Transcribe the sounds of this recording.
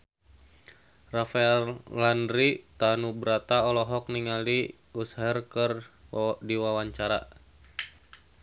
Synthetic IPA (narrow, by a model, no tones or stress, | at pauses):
rafaɛllandɾit̪anubɾat̪aɔlɔɦɔk̚niŋali | ushɛrkərdiwawaɲt͡ʃaɾa